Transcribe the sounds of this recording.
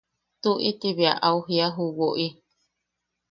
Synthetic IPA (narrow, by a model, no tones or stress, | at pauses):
t̪uʔit̪iβiaʔauɦiaɦuwoʔi